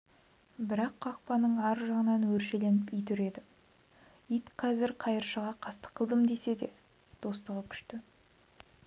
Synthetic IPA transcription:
bɪɾɑqːɑq̚pɑnəɴɑɾʒɑʁənɑnwɵɾʃe̞le̞nɪpijt̪̬ʏɾe̞d̪ɪ | ijt̪qʰɑzɪɾqʰɑjəɾʃəʁɑqʰɑst̪ə̥qʰːəlˠd̪əmd̪e̞se̞d̪e̞ | d̪̥o̞st̪əʁəkʲʰʏ̥ʃt̪ɪ

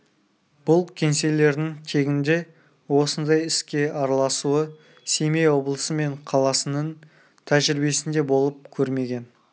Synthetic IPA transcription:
b̥ʊlˠkʲʰe̞nse̞le̞ɾd̪ɪŋt̪ʰe̞ɡʲɪnd̪e̞ | wo̞sənd̪ɑjɪskʲe̞ʔɑɾɑlˠɑsuə | se̞mejwo̞blˠəsəme̞ɴqʰɑlˠɑsənəɴ | t̪ʰæʒɪɾɪbe̞sɪnd̪e̞bo̞lˠəp̚kʲʰɵɾme̞ɡʲe̞n

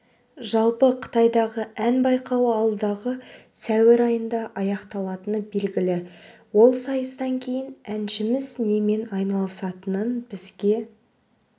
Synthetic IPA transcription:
ʒɑlˠpəqʰə̥t̪ɑjd̪ɑʁəænbɑjqɑwɑlˠd̪ɑʁə | sæwɪɾɑjənd̪ɑʔɑjɑqt̪ɑlˠɑt̪ənəbe̞lɡʲɪlɪwo̞lˠsɑjəst̪ɑŋkʲʰe̞jɪnænʃɪmɪzne̞me̞nɑjnɑlˠəsɑt̪ənənbɪzɡʲe̞

